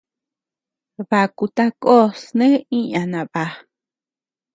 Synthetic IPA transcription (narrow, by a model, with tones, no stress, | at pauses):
βa˨ku˧t̪a˧ko˦snẽ˦ĩ˦ã˨nã˨βa˨